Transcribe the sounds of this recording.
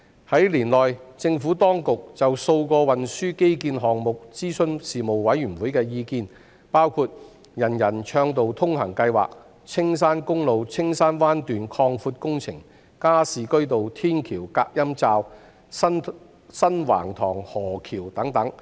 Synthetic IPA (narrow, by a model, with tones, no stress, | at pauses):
hɐ˨˥jliː˨˩nlɔː˨jt͡sɪ˧ŋfuː˨˥t̪ɔː˥ŋkʊ˨k̚t͡sɐ˨wso˧wkɔː˧wɐ˨nsyː˥ke˥jkiː˧nɦɔː˨ŋmʊ˨k̚t͡siː˥sɵ˧nsiː˨mo˨wwɐ˨˥jɥyː˨˩nwuː˨˥jkɛː˧jiː˧kiː˧n | paː˥wkʰuː˧t̚ | jɐ˨˩njɐ˨˩nt͡ʃʰœː˧ŋt̪o˨wt̪ʰʊ˥ŋhɐ˨˩ŋkɐ˧jwa̰ː˨k̚ | t͡sʰɪ˥ŋs̬aː˥nkʊ˥ŋlo˨wt͡sʰɪ˥ŋsaː˥nwaː˥nt̪yː˨nkʰɔː˧ŋfuː˧t̚kʊ˥ŋt͡sʰɪ˨˩ŋ | kaː˥siː˨˩kɵ˥ɥt̪o˨wt̪ʰiː˥nkʰiː˨˩wkaː˧k̚jɐ˥mt͡saː˧w | sɐ˥nwa̰ː˨˩ŋt̪ʰɔː˨˩ŋhɔː˨˩kʰiː˨˩wt̪ɐ˨˥ŋt̪ɐ˨˥ŋ